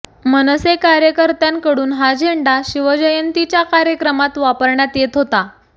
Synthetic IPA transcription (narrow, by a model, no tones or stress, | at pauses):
mənəsekaɾjəkəɾt̪ankəɽuːnɦad͡ʑʱeɳɖaɕiʋəd͡ʑəjənt̪it͡ɕjakaɾjəkɾəmat̪ʋapəɾɳjat̪jet̪ɦot̪a